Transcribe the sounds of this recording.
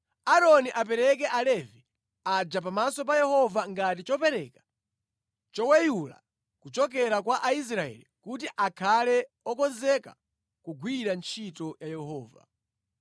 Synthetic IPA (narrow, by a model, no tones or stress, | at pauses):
aɾɔniʔapɛɾɛk̬ɛʔalɛvi | ad͡ʒapamasɔp̬ajɛhɔvaŋɡatit͡ʃɔpɛɾɛkḁ | t͡ʃɔwɛjula̰ | kut͡ʃɔk̬ɛɾakwaʔais̬ɾaɛ̰likut̬iʔakʰalɛ | ɔkɔnzɛka̰ | kuɡwiɾant͡ʃʰitɔjajɛhɔːva̰